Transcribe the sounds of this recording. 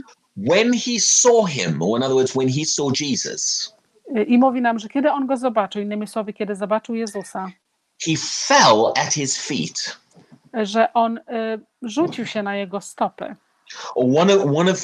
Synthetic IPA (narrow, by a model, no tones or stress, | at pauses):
wɨ̃nisɔɦɪ̰̃mə̰ɪ̃nʌðəwɜːdzwə̃nisɔd͡ʒiz̥ə̰s | ʔimuvʲinamʐɛkʲjɛd̪ɘɔnɡɔzɔbat͡ʂɨwinːɘmʲiswɔvʲɪkʲɛd̪ɘzɔbat͡ʂɨwjɛzusa | hifɛlˠət̚hɪz̥fḭt | ʐɛʔɔn | ʐut͡ɕiwɕɛnajɛɡɔst̪ɔpɘ̰ | əwʌ̃nwʌ̃nʌv